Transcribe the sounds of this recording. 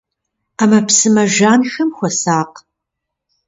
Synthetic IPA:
aːmɐpsɨmɐʒaːnxɐmxʷɔsaːq

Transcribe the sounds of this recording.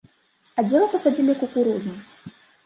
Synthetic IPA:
ad͡zʲɛlˠɐpɐsad͡zʲilʲikukuɾuznɨ

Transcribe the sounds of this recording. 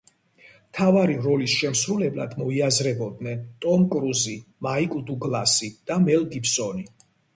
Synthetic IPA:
mt̪ʰavaɾiɾɔlisʃɛmsɾulɛbla̰d̪mɔiazɾɛbɔd̪nɛnt̪ʼɔmkʼɾuzimaikʼd̪uɡlasid̪̥amɛlɡipsɔni

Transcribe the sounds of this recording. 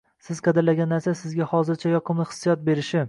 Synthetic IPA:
sɪz̥qʰɑd̪ɪɾlaɡʲanːaɾsasɪzɡʲahɒzɪɾt͡ʃʰajɒqʰɨmlˠɪχɨ̥sːɨjɒt̪̚be̞ɾɪʃɪ

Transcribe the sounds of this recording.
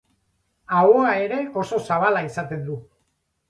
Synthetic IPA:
aoae̞ɾe̞o̞so̞saβ̞alaisat̪e̞nd̪u

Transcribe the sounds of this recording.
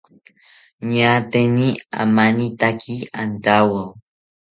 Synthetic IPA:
ɲat̪enia̰manit̪akʰiant̪awaw

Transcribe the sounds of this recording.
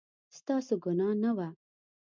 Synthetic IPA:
st̪ɑːsuɡʊnɑːnɐwa

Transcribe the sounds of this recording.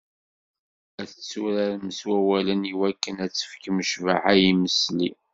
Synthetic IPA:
æθət͡sːuɾaɾməswæwæləniwækːənæt͡sːə̥fkməʃvaħæjiməsli

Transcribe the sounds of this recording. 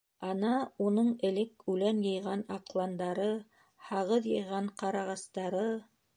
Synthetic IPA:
ɑnɑunɤɴɘ̆lɘkʉlænjɤ̆jʁɑnɑqlˠɑnd̪ɑɾɤ | hɑʁɤðjɤ̆jʁɑɴqɑɾɑʁɑst̪ɑɾɤ

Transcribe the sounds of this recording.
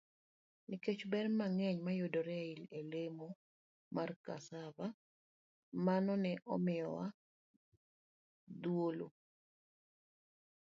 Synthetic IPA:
niket͡ʃbɛrmaŋɛɲmajodoɾɛilelemo | marka̰sava | manɔnɛʔɔ̰mɪjɔwa | d̪wolo̰

